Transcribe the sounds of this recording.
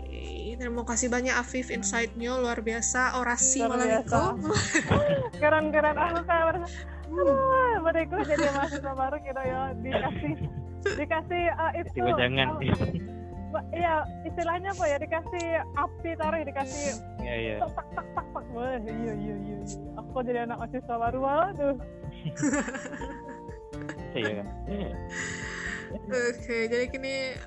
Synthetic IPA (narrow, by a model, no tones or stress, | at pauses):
t̪ɾimokasibaɲakafɪfɪnsajt̪̚ɲoluarbiasaʔoɾasiamalaiasau | kəɾankəɾanakukabaɾasa | bədakud͡ʒadimasit̪abaɾukid̪ojadikasɪh | dikasɪhəit̪iuad͡ʒaŋan | baijaist̪ilahɲapajadikasɪhap̚t̪it̪aɾɪhdikasɪh | jaija̰at̪ak̚t̪ak̚t̪ak̚t̪ak̚boɦijaijaija | akod͡ʒadianak̚masiswabaɾualad̪ʊh | aja̰kaja̰ | okʰed͡ʒadikini